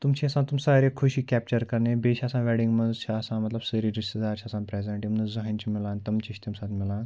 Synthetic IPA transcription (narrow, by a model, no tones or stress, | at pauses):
t̪umt͡ɕʰiɐsãt̪umsaɾekʰuɕiːkʲɛp̚t͡ɕəɾkɐɾnebet͡ɕʰɐsãʋɛɽĩŋɡmənt͡ɕʰiɐsãmɐt̪ləbsəɾiɖisid͡zaɾt͡ɕʰiɐsãːnpɾɛzẽɳʈimənzɐɦẽnt͡ɕʰimilãnt̪ɐmt͡ɕiɕt̪imsat̪milãn